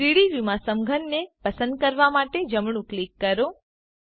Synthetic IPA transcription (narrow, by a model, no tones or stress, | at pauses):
ɾiɽiʋimãsəmɡʱənːepəsə̃nd̪̚kəɾʋamaʈed͡ʒəmɳũklikːəɾo